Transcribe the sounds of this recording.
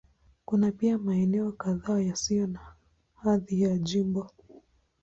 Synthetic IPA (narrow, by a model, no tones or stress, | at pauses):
kunapiamaɛnɛɔkaðaːjasijɔna | haðijaʄimbɔ